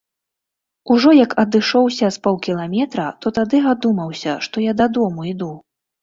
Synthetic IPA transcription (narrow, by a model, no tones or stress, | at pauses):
uʐɔjɐkɐd̪ɨʂɔwsʲɐspɔlˠkʲilˠamʲɛt̪ɾɐt̪ɔt̪ad̪ɨɣad̪umɐwsʲɐʂt̪ɔjad̪ad̪ɔmuid̪u